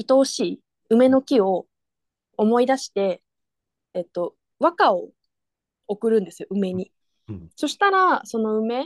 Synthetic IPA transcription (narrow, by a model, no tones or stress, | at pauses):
it̪o̞ːɕiː | ɯ̟me̞no̞kʲio̞ː | mo̞id̪aɕi̥t̪e̞ː | t̪ːo̞ | βakao̞ | okɯ̟ɾɯ̟̃nd̪e̞sɨjo̞ɯ̟me̞ɲ̟i | so̞ɕi̥t̪aɾaso̞no̞ɯ̟me̞